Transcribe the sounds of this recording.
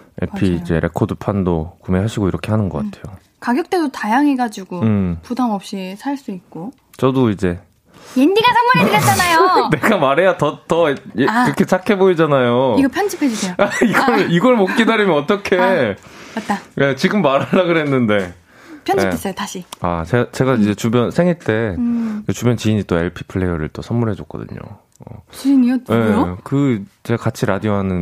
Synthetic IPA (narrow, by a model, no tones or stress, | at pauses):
ḛpʰiːd͡ʑe̞̰ɾʔe̞̰kʰodɯpʰando̰kumeɦaɕʰiɡoiɾʌkʰe̞ɦanɯnɡʌk͈atʰe̞jo | kaɡjʌk̚t͈e̞dotajaŋeɡad͡ʑiɡoɯmpudamʌp̚ɕ͈isʰaɭs͈uik̚k͈o | t͡ɕʌdoid͡ʑe̞ | jenɡiɡasʰaŋmaiɯɾjʌt͡ɕ͈anajone̞ɡamaɾe̞jatʌtʌɯɾkʰe̞t͡ɕʰakʰe̞boid͡ʑanajoiɡʌpʰjʌnd͡ʑipʰed͡ʑusʰeoaiɡʌɭiɡʌɭmot̚k͈idaɾimjʌnʌt͈ʌkʰe̞ | at͈aje̞t͡ɕiɡɯmːaɾɦaɭːaɡɯɾɦe̞nːɯnde̞ | pʰjʌnd͡ʑiees͈ʌotaɕʰia̰t͡ɕet͡ɕe̞ɡaid͡ʑe̞t͡ɕubjʌnsʰe̞ŋiɭt͈e̞et͡ɕubjʌnt͡ɕiɲit͈oe̞̰ɭpʰi̥pʰɯɭːe̞jʌ̰ɾɯ̰ɭt͈osʰʌmːuɾɦe̞d͡ʑok͈ʌ̰dɯ̰ɲo̰ | ʌ̰t͡ɕinie̞okɯt͡ɕeakat͡ɕʰiɾa̰dioɦanɯn